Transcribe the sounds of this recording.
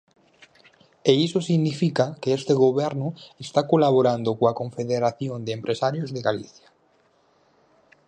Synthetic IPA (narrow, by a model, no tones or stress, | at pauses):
eisosiɣnifikakeest̪eɣoβɛɾnoest̪akolaβoɾand̪okoakoɱfeðeɾaθjond̪eempɾʔesaɾjozðeɣalḭθjḁ